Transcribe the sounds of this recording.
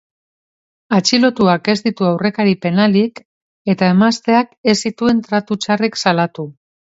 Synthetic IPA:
at͡ʃilo̞t̪uake̞zd̪it̪uawre̞kaɾipe̞nalik | e̞t̪ae̞mast̪e̞ake̞sit̪ue̞nt̪ɾat̪ut͡ʃareksalat̪u

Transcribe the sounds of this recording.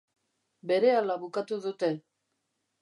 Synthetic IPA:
beɾealaβukat̪uðut̪e

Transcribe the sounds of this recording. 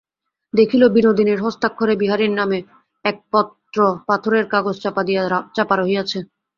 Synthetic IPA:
d̪ekʰilobinod̪ineɾɦɔst̪akʰːoɾebiɦaɾiɾname | ɛk̚pɔt̪ɾopat̪ʰoɾeɾkaɡod͡ʑt͡ɕapad̪it͡ɕapaɾoɦijat͡ɕʰe

